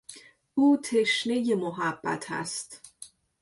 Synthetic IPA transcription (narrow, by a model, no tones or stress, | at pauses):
ʔuːt̪ʰe̞ʃne̞jemoɦæb̥ːæ̰t̪ʰæ̰st̪